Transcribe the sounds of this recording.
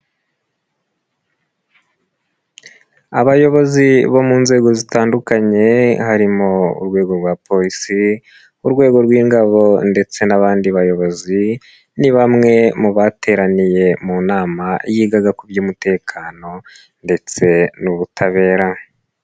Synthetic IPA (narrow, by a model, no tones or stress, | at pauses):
aβajo̞βo̞ziβo̞muːnze̞ːɡo̞zitaːndukaɲe̞haɾimo̞ṵɾɡwe̞ːɡo̞ɾɡwapʰo̞ɾisi | uɾɡwe̞ːɡo̞ɾɡwiːŋɡaβo̞nde̞t͡se̞naβaːndiβajo̞βo̞zi | niβamŋe̞muβatʰe̞ːɾanije̞muːnaːmajiːɡaɡakubjumute̞ːkʰaːno̞ | nde̞t͡se̞nuβutʰaβe̞ːɾa